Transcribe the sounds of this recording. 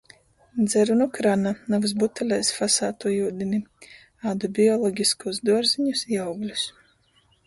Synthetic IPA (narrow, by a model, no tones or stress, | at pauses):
d̪zɛɾunukɾananavs̬but̪alʲɛjsfasaːt̪uɔjuːd̪ʲini | aːd̪ubʲiɔlˠɔɡʲiskuːsd̪uɔɾziɲusjawɡlʲus